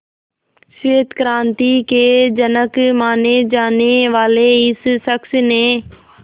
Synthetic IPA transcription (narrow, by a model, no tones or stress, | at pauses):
seːt̪kɾãːnt̪ikeːd͡ʒənəkmaːned͡ʒaːneʋaːleɪsʃəksnẽː